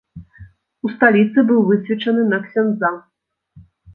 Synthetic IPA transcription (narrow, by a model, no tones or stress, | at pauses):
ust̪alʲit̪sɨbɨwvɨsʲvʲit͡ʂɐnɨnɐksʲand̪za